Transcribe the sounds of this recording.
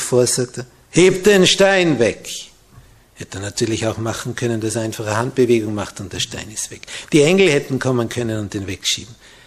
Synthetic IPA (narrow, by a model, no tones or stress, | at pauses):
foːɐsak̚tə | heːp̚t̚d̥enʃtaɪnvɛk | hɛtənatʰyːɐlɪçaʊxmaχn̩kʰœnənd̥asaɪnfaχəhant̚b̥əveːɡʊŋmaχtʊnt̚d̥eɐʃta̰ɪnɪstv̥ɛkd̥iːɛŋl̩hɛtn̩kʰɔmənkʰœnənʊnt̚d̥eːnvekʃḭːbm̩